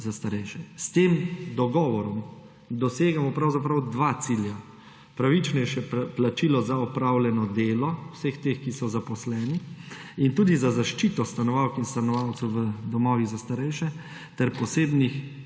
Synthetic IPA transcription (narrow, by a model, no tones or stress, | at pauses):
zast̪aɾɛjʃɛst̪emd̪ɔɡɔːʋɔɾɔm | d̪ɔseːɡamɔpɾawzapɾawd̪ʋaːt̪silja | pɾaʋit͡ʃnɛjʃɛplat͡ʃilɔzaɔpɾawlɛnɔd̪eːlɔwsext̪exkisɔzapɔslɛːniint̪uːd̪izazaʃt͡ʃiːt̪ɔst̪anɔʋawkinst̪anɔʋawt̪sɛwʋəd̪ɔmɔːʋiɣzast̪aɾɛjʃɛ | t̪ɛɾpɔseːbnix